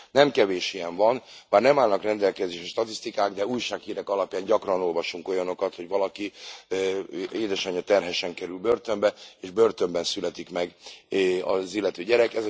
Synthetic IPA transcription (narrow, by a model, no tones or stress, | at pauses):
nɛmkɛveːʃiɛɱvɒnbaːrnɛmaːlnɒkrɛnd̪ɛlkɛzeːʃɛʃt̪ɒt̪ist̪ikaːɡd̪ɛuːjʃaːkhiːɾɛkɒlɒpjaːɲɟɒkrɒno̞lvɒʃuŋko̞jɒno̞kɒt̪ho̞ɟʋɒlɒki | eːd̪ɛʃɒɲːɒt̪ɛrɦɛʃɛŋkɛɾylbørt̪ø̞mbɛeːʒbø̞rt̪ø̞mbɛnsylɛt̪ikmɛɡ | ɒzilːɛt̪øːɟɛɾɛkɛz